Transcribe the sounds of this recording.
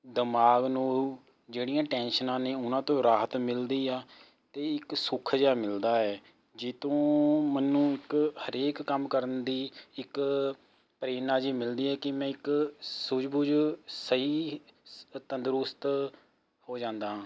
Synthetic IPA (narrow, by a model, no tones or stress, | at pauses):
d̪əmaːɡnũː | d͡ʒeːɽijãːʈɛ̃ːnʃənãːneːʊnãːt̪õːɾaːɦət̪mɪld̪iːaː | t̪eːɪksʊkʰd͡ʒaːmɪld̪aːɛː | d͡ʒeːt̪õːmənːũːɪkhəɾeːkːəmkəɾənd̪iːɪk | pɾeːnaːd͡ʒiːmɪld̪iːɛːkɪmɛ̃ːɪksʊd͡ʒbuːd͡ʒsəɦiː | t̪ənd̪əɾʊst̪ | hoːd͡ʒãːnd̪aːɦãː